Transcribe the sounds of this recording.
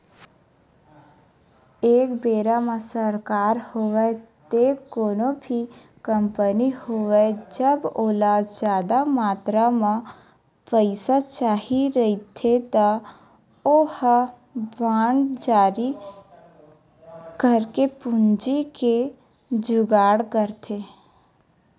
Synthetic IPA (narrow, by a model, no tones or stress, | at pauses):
eːkbeːɾamasəɾkaːɾhoʋɛt̪ekoːnobʱi | kəmpənihoːʋɛd͡ʒəboːlad͡ʒd͡ʒjaːd̪amaːt̪ɾamã | pəɪsat͡ʃaːɦiɾəit̪ʰet̪ɔ | oh | baːɳɖd͡ʒaːɾi | kəɾkepʊnd͡ʒike | d͡ʒʊɡaːɽkəɾt̪ʰe